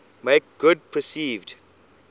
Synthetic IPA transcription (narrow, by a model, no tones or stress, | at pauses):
meɪk̚ɡ̥ʊd̚pʰɹəsiːvd